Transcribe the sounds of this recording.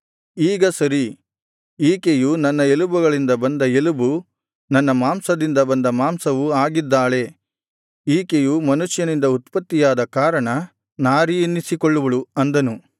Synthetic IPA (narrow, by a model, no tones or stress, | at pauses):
iːɡɐsɐɾi | iːkejunɐnːɐelubuɡɐɭind̪ɐbɐnd̪ɐelubu | nɐnːɐmaːmsɐd̪ind̪ɐbɐnd̪ɐmaːmsɐʋuaːɡid̪ːaːɭe̞ | iːkejumɐnuʃjɐnind̪ɐut̪pɐt̪ːijaːd̪ɐkaːɾɐɳɐ | naːɾijinːisikoɭːuʋɐɭuɐnd̪ɐnu